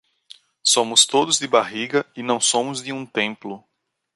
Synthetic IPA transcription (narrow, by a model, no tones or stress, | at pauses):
sõmʊst̪od̪ʊzd̪ɪbaɦiɡɐɪnɐ̃w̃sõmʊzd̪ɪũt̪ẽmplʊ